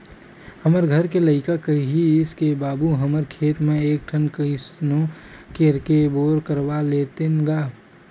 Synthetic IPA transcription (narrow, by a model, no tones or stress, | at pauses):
həməɾɡʱəɾkeləɪkakəɦiɪskebaːbuɦəməɾkʰeːt̪mẽeːk̚ʈʰənkəisnõkeɾkeboːɾkəɾbaleːt̪enɡaː